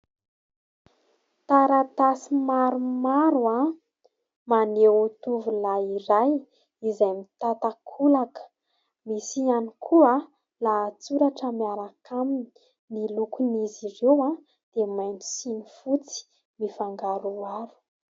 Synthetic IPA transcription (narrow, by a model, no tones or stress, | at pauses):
t̪aɾat̪asimaɾumaɾua | manewot̪uvulaiɾaj | izajmit̪at̪akʰulakə̥ | misianikʰuə | laːt͡suɾaʈ͡ʂəmiaɾakʰamini | nilukunizirewa | d̪̥emajnu̥sinifut͡si̥ | mifaŋɡaɾuaɾu̥